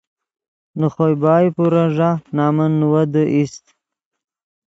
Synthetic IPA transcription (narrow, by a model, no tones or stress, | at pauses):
nuχojbɑːjpuɾaʐanɑːmənːuwad̪əʔist̪